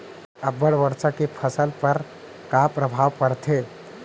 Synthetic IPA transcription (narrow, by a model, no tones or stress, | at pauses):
əbəɽʋəɾt͡ʃakepʰəsəlpəɾ | kapɾəbʱaʋpəɾt̪ʰe